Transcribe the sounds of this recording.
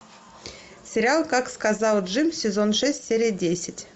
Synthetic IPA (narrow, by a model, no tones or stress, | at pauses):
sʲɪɾʲɪalˠkakskazɑlˠdʐɨmsʲɪzonʂɛsʲtʲsʲeɾʲijədʲesʲɪtʲ